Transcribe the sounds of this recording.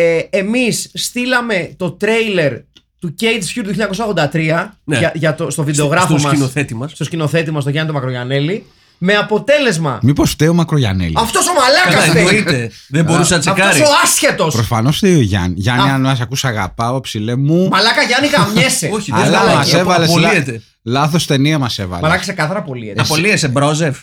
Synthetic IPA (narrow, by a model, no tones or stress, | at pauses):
eemisst̪ilɐme̞t̪o̞t̪ɾe̞ile̞ɾt̪uce̞jd̪sfçuɾt̪ujçiʎɐɲɐkos̬ɐoɣðod̪ɐt̪ɾiɐneɐʝɐt̪ost̪o̞vid̪eo̞ɣɾɐfommɐsisnoθet̪imɐssst̪oscino̞θe̞t̪imɐs̬t̪oʝɐnit̪omɐkɾoʝɐneli | me̞ɐpo̞t̪e̞le̞zmɐ̰miposft̪eomɐkɾoʝa̰nḛliɐft̪o̞somɐlɐkɐseie | ðebo̞ɾusenɐt͡seɐfkɐoɾisosɐsçet̪o̞spɾosfano̞sft̪eoʝɐ̰nʝɐnɐnɐs̬ɐkusɐɣa̰pɐoepsilemumɐlɐkɐʝɐnikɐmɲeseoçilɐɐsevɐleoliet̪e | lɐθost̪e̞niɐmɐsevɐ̰lmɐlɐkɐse̞kɐθɐɾɐpo̞liet̪ɐpoliesebɾozef